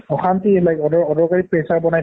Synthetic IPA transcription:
ɔxantielajkɔdɔɔdɔɹkaɹipɹejsaɹbɔnaj

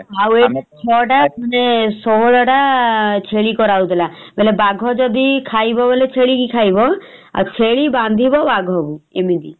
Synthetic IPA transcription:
aweʈet͡ʃʰɔʈaɔnesɔɦɔɽɔʈat͡ʃʰeɭikɔɾaud̪elabelebaɡʱɔd͡ʒɔd̪ikʰajbɔbolet͡ʃʰeɭikikʰajbɔ | a̰t͡ʃʰeɭiband̪ʱibɔbaɡʱɔbuemid̪i

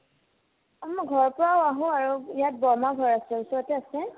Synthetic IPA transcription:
mɡʱɔɹpɔɹaaɦʊ̃aɹuijat̚bɔmaɡʱɔɹasɛisɔɹɔtɛasɛ

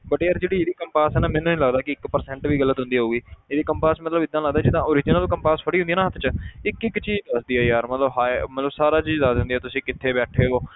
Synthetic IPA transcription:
bəʈeːəɾd͡ʒeːɽiːeːd̪iːkəmpaːsɛːnaːmɛ̃ːnũːnĩːləɡd̪aːkɪɪkpəɾsɛ̃ɳʈʋiːɡəlːət̪ɦʊ̃nd̪iːɦouːɡiːeːd̪iːkəmpaːsmət̪ləbɪd̪ːãːləɡd̪aːd͡ʒɪd̪ãːoːɾɪd͡ʒɪnəlkəmpaːsfəɽiːɦʊnd̪ijːnãːɦət̪ʰt͡ʃəɪkɪkːt͡ʃiːd͡ʒd̪əsd̪iːɛːjaːɾmət̪ləbɦaːmət̪ləbsaːɾaːt͡ʃiːd͡ʒd̪əsɦʊ̃nd̪iːɛːt̪ʊsĩːkɪt̪ʰːeːbɛːʈʰeːɦoː

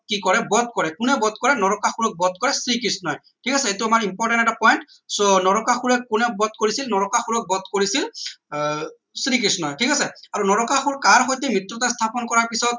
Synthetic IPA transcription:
kikɔɹɛbɔd̪̚kɔɹɛkunɛbɔt̪̚kɔɹɛnɔɹɔkaxuɹɔk̚bɔd̪̚kɔɹɛsɹikisnɔj | tʰikasɛetuamaɹimpɔɹʈɛntɛtapɔjnt | sonɔɹɔkaxuɹɛkːunɛbɔd̪̚koɹisilnɔɹɔkaxuɹɔk̚bɔd̪koɹisil | sɹikisnɔjtʰikasɛaɹunɔɹɔkaxuɹkaɹxojtemɹitɹɔtast̪ʰapɔnkɔɹaɹpisɔt̚

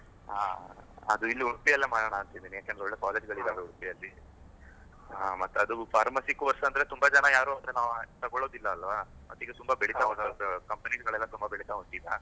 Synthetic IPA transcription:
a̰ːɐd̪uilːiuɽpijɐlːeːmaːɽɐːɳaːnt̪ind̪iːnijaːkend̪eɔɭːekaːleːd͡ʒɡɐɭid̪aːʋeuɽpijɐlːi | amɐt̪ːeɐd̪upʰaːɾmɐsikːʋɐɾsɐnd̪ɐɾet̪umbɐd͡ʒɐnɐjaːɾuːɐnd̪ɾenaːʋt̪ɐɡoɭo̞ːd̪ilːɐːlʋa | mɐt̪ːiːɡet̪umbɐbeɭit̪aɦonkɐmpɐniɡɡɐɭɛlːɐt̪umbɐbeɭit̪aɦoɳt̪ːid̪a

